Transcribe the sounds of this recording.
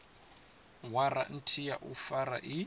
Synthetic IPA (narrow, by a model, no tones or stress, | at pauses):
waɾa̰n̩tʰijaʔufaɾa̰ʔi